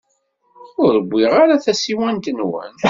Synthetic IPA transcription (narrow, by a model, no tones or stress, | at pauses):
ʊɾəbʷːiʁaɾaθæsiwænt̪ənwæ̰n